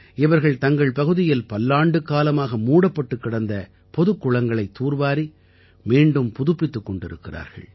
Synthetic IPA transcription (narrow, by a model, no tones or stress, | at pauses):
ɪʋɐɾɣɐɭt̪ɐŋɡɐɭpɐɣɯðɪjɪlpɐlːaːɳɖɯkaːlɐmaːɣɐmuːɽɐpːɐʈːɯkːɪɽɐnd̪ɐ | pɔðɯkːʊɭɐŋɡɐɭɐɪt̪ːuːɾʋaːɾi | miːɳɖɯmpʊðɯpːɪt̪ːɯkːɔɳɖɪɾɯ̰kːɪra̰ːɾɣɐ̰ɭ